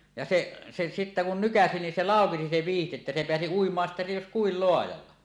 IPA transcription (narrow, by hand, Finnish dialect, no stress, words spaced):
jɑ se se sitːæ kun nykæsi nin se lɑˑokesi se ʋiːhti etːæ se peæsi uimˑɑːn sitːæ jos kuil loɑjɑlːɑ